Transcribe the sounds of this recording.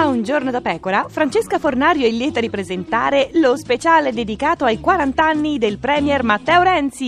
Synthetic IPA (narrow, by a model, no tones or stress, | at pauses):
aund͡ʒornod̪apɛːkoɾafɾant͡ʃeskafornaːɾjoɛlːjɛːt̪aɾipɾezent̪a̰ːɾelospet͡ʃaːled̪ed̪ikaːt̪oajkwaɾant̪anːid̪elpɾɛːmjɛrmat̪ːɛoɾɛnt̪si